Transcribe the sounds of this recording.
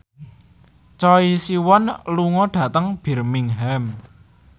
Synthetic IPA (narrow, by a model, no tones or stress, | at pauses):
t͡ʃɔisiwɔnluŋɔɖ̥a̤t̪əŋb̥i̤rmiŋɦɛm